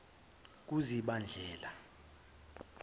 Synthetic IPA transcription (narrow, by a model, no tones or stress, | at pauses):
k̬uziɓand͡ɮʱɛːla